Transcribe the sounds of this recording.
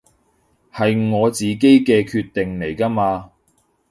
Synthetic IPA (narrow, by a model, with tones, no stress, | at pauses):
hɐ˨jŋɔː˨˧t͡siː˨k̬e˥jkɛː˧kʰyː˧t̪ːe˨ŋle˨˩jkaː˥maː˧